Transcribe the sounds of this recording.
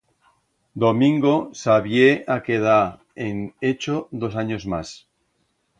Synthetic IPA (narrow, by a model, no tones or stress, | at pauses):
d̪omĩŋɡosaβjeakeð̞a | enet͡ʃoðo̞s̬aɲozmas